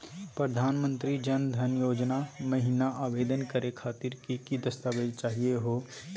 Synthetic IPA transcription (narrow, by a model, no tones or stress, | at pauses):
pɾəd̪ʱaːnmə̃nt̪ɾid͡ʒənd̪ʱənjoːd͡ʒnamɐɦiːnaʔaːʋeːd̪ənkəɾekʰaːt̪ɪɾkikid̪əst̪aːʋed͡ʒt͡ʃaːɦieɦoː